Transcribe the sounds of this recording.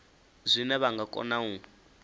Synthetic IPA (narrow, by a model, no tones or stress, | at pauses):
zʷinɛβaŋɡakʼɔ̰nau